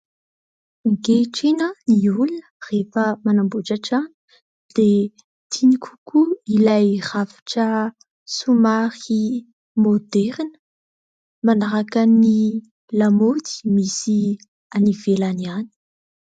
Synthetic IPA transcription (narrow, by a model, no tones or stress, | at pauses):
ŋɡeʈ͡ʂenəniulunə̥refəmanambuʈ͡ʂaʈ͡ʂani̥ | d̪̥e | t̪ʰinikʰu̥kuilajrafi̥ʈ͡ʂə | sumaɾi | mod̪ɛɾinə̥ | manaɾakani | lamod̪i̥misi | anivelaniani̥